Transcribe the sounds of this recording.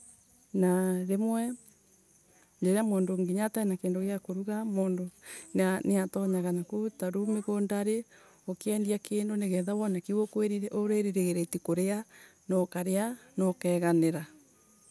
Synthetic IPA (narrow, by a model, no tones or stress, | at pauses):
naɾemwɛ | ɲd͡ʒeɾeamoːndoŋɡiɲatainakeːndoɣjakoɾuɣamoːndonaneatɔɲaɣanakutaɾumeɣondaɾe | okeɛːndiakeːndoneɣɛðawɔnakiwokweɾiɾɛʔoɾeɾiɾeɣeɾetikoɾeanɔkaɾeanɔkɛːɣaneɾa